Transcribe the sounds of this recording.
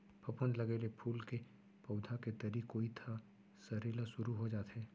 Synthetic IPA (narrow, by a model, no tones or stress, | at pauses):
pʰɐpʊnlɐɡelepʰuːlke | pɐʊd̪ʱaket̪ɐɾikoit̪ʰa | sɐɾeːlasʊɾuɦod͡ʒaːt̪ɦɛː